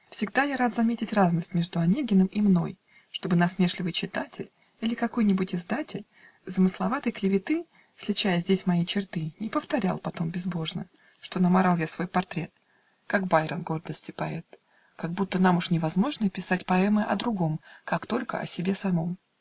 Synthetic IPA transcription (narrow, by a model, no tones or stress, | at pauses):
fsʲɪɡd̪ajaɾat̪zɐmʲetʲɪtʲraznəsʲtʲmʲe̞ʐd̪ʊɐnʲeɡʲɪnəmɪmno̞̰j | ʂt̪o̞bɨnɐsmʲe̞ʂlʲɪvɨjt͡ɕɪt̪atʲɪlʲ | ilʲɪkɐko̞jnʲɪbʊtʲɪzd̪atʲɪlʲ | zəmɨslˠɐvat̪əjklʲɪvʲɪt̪ɨ | sʲlʲɪt͡ɕæjəzʲdʲesʲmɐit͡ɕɪrt̪ɨnʲɪpəft̪ɐɾʲa̰lˠpɐt̪o̞mbʲɪzbo̞ʐnə̰ | ʂt̪o̞nəmaɾalˠjasv̥o̞jpɐrt̪ɾʲe̞t̪̚ | kakbajɾənɡo̞rd̪əsʲtʲɪpɐɛt̪ | kaɡ̚but̪ːənamʊʂnʲɪvɐzmo̞ʐnəpʲɪsatʲpɐɛmɨʔɐ̰d̪ɾʊɡo̞mkakt̪o̞lʲkə̰ɐ̰sʲɪbʲe̞sɐmo̞m